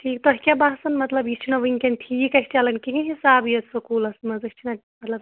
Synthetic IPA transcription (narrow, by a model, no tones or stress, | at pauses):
ʈʰiːkt̪oɦkʲabaːsɐnmɐt̪lɐbist͡ʃʰinoʋiŋkenɖʈʰiːkɐst͡ʃalɐnkikẽɦisaːbijɐsukuːlɐsmɐzɐsʲt͡ʃʰinɐ | mɐt̪lɐb